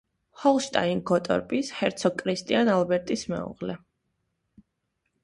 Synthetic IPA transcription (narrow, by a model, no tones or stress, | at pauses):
hɔlˠʃt̪ʼa̰inɡɔt̪ʼɔ̰ɾpʼishɛɾt̪sʰɔkʼɾist̪ʼianalˠbɛɾt̪ʼismɛ̰ṵʁlɛ